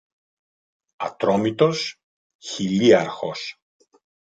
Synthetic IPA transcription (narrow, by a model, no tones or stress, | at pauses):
ɐ̰t̪ɾomit̪o̞s | çiliɐɾxos